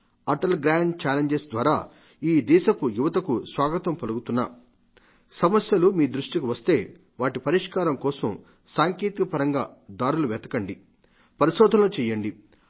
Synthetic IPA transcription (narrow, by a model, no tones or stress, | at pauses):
ɐʈɐlɡɾaːɳɖt͡ʃaːleɲd͡ʒesd̪ʋaːɾaː | iːd̪ɛːʃɐkujuʋɐt̪ɐkusʋaːɡɐt̪ɐmpɐluɡut̪unːɐ̰ | sɐmɐsjɐlumiːd̪ɾuʂʈikuʋɐst̪e̞ː | ʋaːʈipɐɾiʂkaːɾɐmkɔːsɐm | saːŋkeːt̪ikɐpɐɾɐŋɡaːd̪aːɾuluʋɛːt̪ɐkɐɳɖi | pɐɾiʃɔːd̪ʱɐloːt͡ʃɛːjɐɳɖi